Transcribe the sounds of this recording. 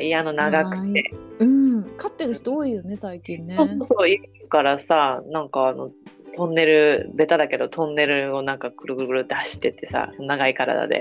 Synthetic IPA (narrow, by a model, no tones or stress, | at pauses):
iano̞naɡakɯ̟̥t̪ːe̞ɯ̟̃kat̪ːe̞ɾɯ̟çi̥t̪ooːijo̞ne̞saikʲĩnːsːeo̞ːsoːsoːikɯŋkaɾasanãŋkaːno̞̰t̪õ̞nːe̞ɾɯ̟be̞t̪ad̪ake̞d̪o̞t̪ʰõ̞nːe̞ɾɯ̟o̞nãŋkakɯ̟ɾɯ̟ɡɯ̟ɾɯɡɯ̟ɾɯ̟t̪ːehaɕi̥t̪ːe̞t̪ːe̞sa̰sononaɡaikaɾa̰d̪a̰d̪e̞̰